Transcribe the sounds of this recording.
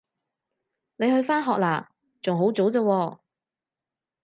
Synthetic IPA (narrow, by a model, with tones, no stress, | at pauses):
ne˨˧jhɵ˧ɥfaː˥nɦɔː˨k̚laː˨˩ | t͡sʊ˨ŋɦo˨˥wt͡so˨˥wt͡səː˧wɔː˧